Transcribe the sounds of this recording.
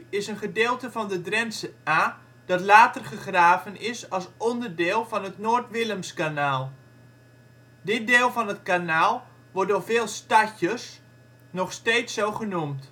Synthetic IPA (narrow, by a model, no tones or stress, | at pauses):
ɪsənχədɪːlˠtəvɑndədrɛnsəaː | d̥ɑtlaːtərχəχraːvənɪsɑlˠsɔndərdɪːlˠvɑnɦətnoːrtʋɪləmskanaːlˠ | dɪt̚deːlˠvɑnətkanaːlˠ | ʋɔrdoːvɪːlˠstaçəs | nɔχsteːtsowχənumt